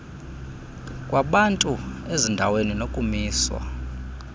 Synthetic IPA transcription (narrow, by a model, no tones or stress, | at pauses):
kʼwʔaɓantʼuezindʱaweninokʼumiːswa̰